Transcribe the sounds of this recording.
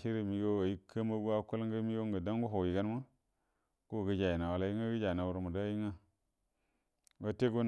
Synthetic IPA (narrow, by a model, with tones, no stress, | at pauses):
ʃi˦ɾi˦˨mi˨˦ɡo˦a˨ji˦kʰːə˦ma˦ɡu˦a˦ku˦lŋɡə˦mi˦ɡo˦ŋɡə˨da˦ŋɡu˦ɦo˨ji˨ɡa˦n˦ma˦ | ko˦˨ɡə˦d͡ʒa˨ji˨na˨wa˨la˨ji˦ŋa˦ɡə˦d͡ʒa˨na˨wu˨ɾmu˨da˦ji˦ŋa˦ | ɡa˦te˦ɡo˦n